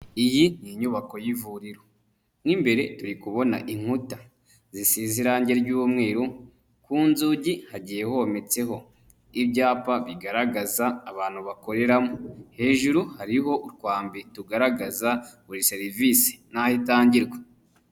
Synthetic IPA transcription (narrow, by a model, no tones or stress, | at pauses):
ijiniɲuβako̞jivuɾiɾo | ŋimbe̞ɾe̞tuɾikuβo̞na̰ʔiŋ̥huta | zisiziɾaɲɟe̞ɾɟuːβmŋe̞ːɾu | kuːnzuːɟihaɟije̞ho̞me̞t͡se̞ɦo̞ | ibɟaːpaβiɡaɾaɡazaːβaːn̥huβako̞ɾe̞ɾamohe̞ːʒuɾuhaɾiɦo̞ʔuɾkwaːmbituɡaɾaɡazaβuɾise̞ɾiviːsi̥n̥ahitaːɲɟiɾɡwe